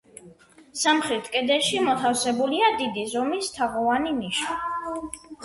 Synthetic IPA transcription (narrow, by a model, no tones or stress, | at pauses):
samχɾit̪ʰkʼɛd̪ɛʃimɔt̪ʰafsɛbuliad̪id̪izɔmist̪ʰaʁɔvaniniʃa